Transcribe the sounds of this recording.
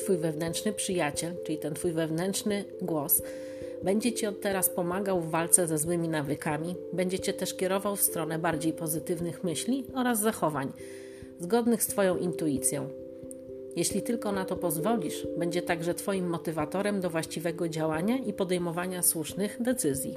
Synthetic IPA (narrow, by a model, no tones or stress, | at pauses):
t̪fujvɛvnɛntʂnɘpʂɘjat͡ɕɛlt͡ʂɘlʲit̪ɛnt̪fujvɛvnɛntʂnɘ | ɡwɔs | bɛɲd͡ʑɛt͡ɕiɔt̪ːɛɾaspɔmaɡawvːalt̪sɛzɛzwɘmʲinavɘkamʲibɛɲd͡ʑɛt͡ɕɛt̪ɛʂkʲɛɾɔvawfst̪ɾɔnɛbaɾd͡ʑejpɔzɘt̪ɘvnɘxmɘɕlʲiɔɾazːaxɔvaɲ | zɡɔd̪nɘxst̪fɔjɔ̃w̃ʔint̪uit̪sʲjɔ̃w̃ | jeɕlʲit̪ɘlkɔnat̪ɔpɔzvɔlʲiʂbɛɲd͡ʑɛt̪aɡʐɛt̪fɔjimːɔt̪ɘvat̪ɔɾɛmd̪ɔvwaɕt͡ɕivɛɡɔd͡ʑawaɲaʔipɔd̪ɛjmɔvaɲaswuʂnɘɣd̪ɛt̪sɘzʲjḭ